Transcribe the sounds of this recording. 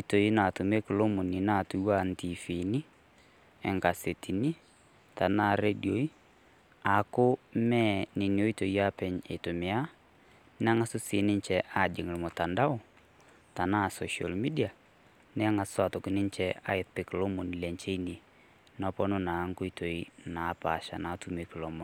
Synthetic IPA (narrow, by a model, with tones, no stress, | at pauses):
o˦i˦to˨i˦na˨tʊ˨me˦kɪ˨lo˦mʊ˨nɪ˨na˦˨tu˦wa˦nti˨fi˨ni˦ | ɛ˨ŋka˨se˨tʰi˨ni˦ | ta˨na˦˨ɾe˦djo˨˦i˦ | a˨kʊ˦mɛ˦nɪ˨ni˨o˦i˦to˨ja˦pɛ˨ɲḛ˨tʊ˨mɪ˨a˦ | nɛ˦a˦ŋa˦sʊ˦sɪ˨nɪ˦ɲt͡ʃɛʔa˨d͡ʒɪ˨ŋ˨lmɔ˨ta˨nda˦ʊ˦ | ta˨na˦˨sɔ˨ʃa̰˨lmi˦dia˨ | nɛ˦a˦ŋa˨swatɔ˨kɪ˨nɪ˦ɲt͡ʃɛa̰˦ɪt̚pɪ˨klɔ˦mo˨n˨lɛ˨ɲt͡ʃe˦ini˨ | nɔ˦pɔ˦nʊ˦na˨˦ŋkʊ˦i˦tʰo˨ina˨˦pa̰˨ʃa̰˨na˨˦tu˨me˦kɪ˨lɔ˨mɔ˨